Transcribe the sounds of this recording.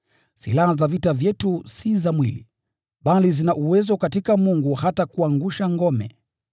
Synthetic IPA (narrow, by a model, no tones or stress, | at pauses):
sḭlahazavitavjɛtusizamwilḭ | ɓalizinaʔuwɛzɔkatikamuŋɡuhatakuaŋɡuʃaŋɡɔmɛ̰